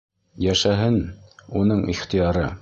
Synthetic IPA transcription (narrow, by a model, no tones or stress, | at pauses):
jæʃæɦɘnunɤɴʔiχt̪ijɑɾɤ